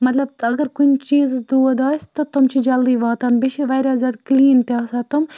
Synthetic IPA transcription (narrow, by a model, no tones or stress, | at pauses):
mɐt̪lɐbt̪ɐɡɐɾkʊnʲt͡ʃiːzɨsd̪uːd̪aːsʲt̪ɐt̪umt͡ʃʰid͡ʒɐld̪iːʋɑːt̪aːnbiʃiʋɐjɾʲaːzʲjaːd̪kliːnt̪ʲaːsaːt̪ʊm